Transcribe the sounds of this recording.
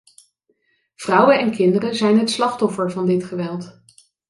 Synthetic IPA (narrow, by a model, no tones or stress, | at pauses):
v̥rʌwənɛnkɪndərənzɛjnɦətslɑχtɔfəɹvɑndɪtχəʋɛlˠt